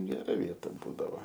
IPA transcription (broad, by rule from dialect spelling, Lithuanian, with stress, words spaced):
ɡʲɛˈrɐ ˈʋʲiɛtɐ ˈbuːdɐʋoː